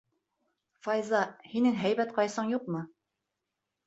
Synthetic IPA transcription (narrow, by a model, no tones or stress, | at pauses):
fɑjzɑhinɘŋɦæjbæt̪qɑjsɤɴjuqmɤ